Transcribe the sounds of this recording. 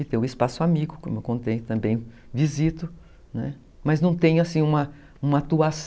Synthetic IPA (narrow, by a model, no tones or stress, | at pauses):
ɪt̪ẽj̃ʊɪspasʊamiɡʊkõmewkõt̪ejt̪ɐ̃mbẽj̃ | vizit̪ʊ | nɛ̰ | mɐznɐ̃w̃t̪ẽj̃ʊasĩũmɐ | ũmɐat̪uas